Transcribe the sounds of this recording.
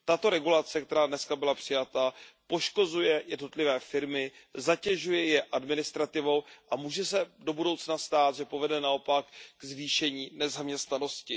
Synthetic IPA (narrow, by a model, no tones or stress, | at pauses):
t̪at̪o̞ɾɛɡulat͡sɛk̚t̪ɛɾaːdnɛskabɪlapr̥ɪjat̪apo̞ʃko̞zujɛjɛdno̞t̪lɪvɛːfɪɾmɪzacɛʒujɛjɛʔadmɪnɪst̪ɾat̪ɪvo̞wʔamuːʒɛsɛdo̞budo̞wt͡snast̪aːt̪ʒɛpo̞vɛdɛnao̞pakɡzviːʃɛɲiːnɛzamɲɛst̪nano̞scɪ